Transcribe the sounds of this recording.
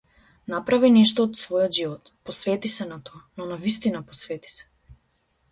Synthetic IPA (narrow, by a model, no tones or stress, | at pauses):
napɾavinɛʃt̪ɔːt̪svɔjɔd̪ʒivɔt̪pɔsvɛt̪isɛnat̪ɔanɔnavist̪inapɔsvɛt̪i̥sɛ̥